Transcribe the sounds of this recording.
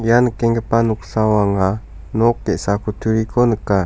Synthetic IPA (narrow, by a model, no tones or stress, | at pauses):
janəkeŋɡəpanuksawaŋa | nokːeʔsakut̪ʰuɾikʰonəka